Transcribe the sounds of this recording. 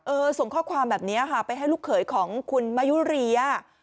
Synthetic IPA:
ʔɤː˧so˨˩˦ŋkʰɔː˥˩kʰwaː˧mbɛː˨˩p̚niː˦˥ɐ˧kʰa˦˥˩pa˧jɦa˥˩jluː˥˩kʰːɤː˩˦jkʰɔː˩˦ŋkʰu˧nma˦˥ju˦˥ɾi˧a˧˩

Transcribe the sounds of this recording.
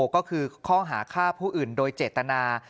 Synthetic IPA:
kɔː˥˩kʰɯː˧kʰɔː˥˩ŋɦa̰ː˩˦kʰaː˥˩pʰuː˥˩ʔɯː˨˩ndoː˧jt͡ɕeː˨˩t̪ːa˧naː˧

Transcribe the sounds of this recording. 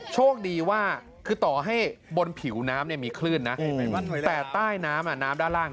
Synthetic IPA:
t͡ɕʰoː˥˩ək̚diː˧waː˥˩ | kʰɯː˧t̪ɔː˨˩ɦa˥˩jbo˧npʰi˩˦wnaː˦˥mni˥˩ɐmiː˧kʰlɯː˥˩nːa˦˥ʔt̪ɛː˨˩t̪aː˥˩jnaː˦˥mʔa˨˩naː˦˥mdaː˥˩laː˥˩

